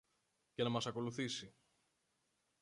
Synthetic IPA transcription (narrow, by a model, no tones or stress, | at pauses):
ce̞nɐmɐsɐko̞luθisi